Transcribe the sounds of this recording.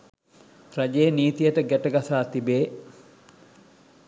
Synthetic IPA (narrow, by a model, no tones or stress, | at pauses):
ɾɐd͡ʒeːniːt̪ijəʈəɡæʈəɡasaːt̪ibeː